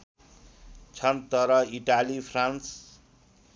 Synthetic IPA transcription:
t͡sʰʌnt̪ʌɾʌiʈalipʰrans

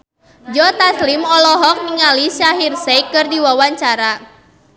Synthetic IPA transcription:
d͡ʒɔt̪aslimɔlɔɦɔk̚niŋalisaɦirsɛkɨrdiwawaɲt͡ʃaɾa

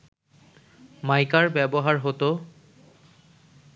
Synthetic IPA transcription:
majkaɹbɛbɔɦaɹɦot̪o

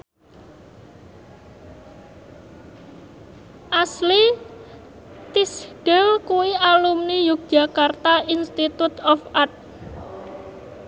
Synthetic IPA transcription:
ʔasli | t̪isɡ̥ɛlkuwiʔalumnijuk̚d̥ʒ̥a̤kart̪ainst̪it̪ut̪ɔfat̪̚

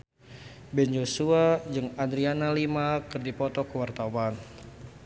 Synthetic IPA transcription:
bɛnd͡ʒosuad͡ʒɨŋadɾianalimakɨrdipɔt̪ɔkəwart̪awan

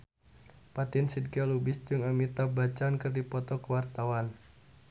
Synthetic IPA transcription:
pat̪ɪnsid̚kalubisd͡ʒɨŋamit̪abat͡ʃaːnkərdipɔt̪ɔkəwart̪awan

